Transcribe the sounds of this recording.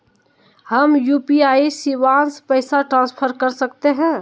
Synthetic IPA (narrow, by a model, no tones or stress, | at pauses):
həmjuːpiaːisiʋaːnspəɪsaʈɾãːnspʰəɾkəɾsək̚t̪eɦɛ̃ː